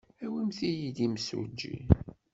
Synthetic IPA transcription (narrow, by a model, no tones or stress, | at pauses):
æwimθijid̪imsṵd͡ʒːḭ